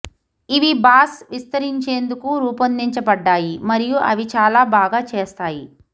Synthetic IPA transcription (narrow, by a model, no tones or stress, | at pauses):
iʋibaːsʋist̪ɐɾiɲt͡ʃeːnd̪ukuɾuːpɐnd̪iɲt͡ʃɐbɐɖːaːjimɐɾijuʔɐʋit͡ʃaːlaːbaːɡaːt͡ʃeːst̪aːji